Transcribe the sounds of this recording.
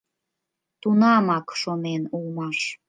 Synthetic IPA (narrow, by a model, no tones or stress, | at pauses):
t̪unɑmɑkʃonenulmɑʃ